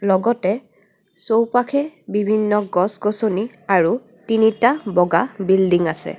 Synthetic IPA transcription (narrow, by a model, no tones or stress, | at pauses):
lɔɡɔtɛ | sowpakʰɛbibʱinːɔɡɔsɡosoni | aɹu | tinitabɔɡabildiŋasɛ̰